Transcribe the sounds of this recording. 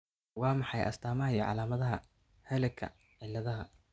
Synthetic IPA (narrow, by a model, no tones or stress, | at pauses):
wɑːmɑħɑjʔɐ̰st̪ʰaːmɐɦɐjɔʕɑ̰laːmɐðɐɦɐ | hɛlɛkʰɐ̰ | ʕɪlːɐðɐɦɐ